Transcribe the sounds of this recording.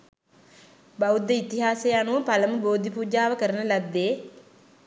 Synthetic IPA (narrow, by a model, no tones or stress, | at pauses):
baud̪ːəit̪iɦaːseːanuʋəpaləməboːd̪ʱipuːd͡ʒaːʋəkəɾənəlad̪ːeː